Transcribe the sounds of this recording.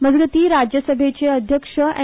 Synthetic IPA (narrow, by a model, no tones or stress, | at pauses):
məd͡zɡət̪iːɾad͡ʑjəsəbʱet͡ɕeəd̪ʱjəkʂəɛ̰